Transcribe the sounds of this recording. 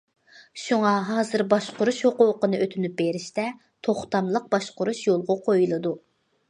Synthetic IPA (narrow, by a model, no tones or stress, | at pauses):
ʃuŋɑɦɑːzɨɾbɑʃqʊɾuʃhoquːqənɨʔøt̪ʰynyp̚beɾɪʃt̪ɛ | t̪ʰoχt̪ɑmlˠəq̚b̥ɑʃqʊɾuʃjolˠʁʊqʰojulˠɨd̪u